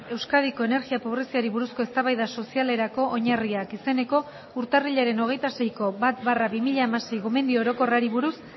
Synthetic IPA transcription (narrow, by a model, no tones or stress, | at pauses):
e̞wskað̞iko̞e̞ne̞ɾɣiapo̞β̞ɾe̞siaɾiβuɾusko̞e̞st̪aβajðaso̞siale̞ɾako̞ʔoɲariakise̞ne̞ko̞ | uɾt̪ariʎaɾe̞no̞ɣ̞e̞jt̪ase̞jko̞βat̪βaraβimiʎaːmase̞jɣome̞nd̪io̞ɾo̞ko̞raɾiβuɾus